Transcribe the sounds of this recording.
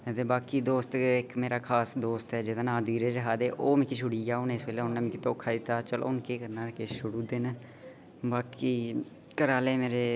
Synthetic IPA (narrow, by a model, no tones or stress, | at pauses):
t̪eːbaːkiːd̪oːst̪ɪkmeːɾaːkʰaːsd̪oːst̪ɛːd͡ʒɪd̪aːnãːd̪iːɾeːɾəɦaːd̪eːʔoːmɪ̃ːkiʃʰʊɽiːjaːoneɪsʋeːleːʊnːɛːmĩkit̪oːkʰːaːd̪it̪aːt͡ʃəlʔo̰ːʊnkeːkəɾnaːɾkeːʃʊɽuːd̪en | baːkiː | kəɾaːleːmeːɾeː